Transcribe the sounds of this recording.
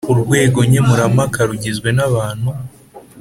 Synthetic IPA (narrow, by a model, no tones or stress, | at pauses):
uɾɡwe̞ːɡo̞ɲemuɾamakaɾuɟezɡwe̞naβaːn̥hu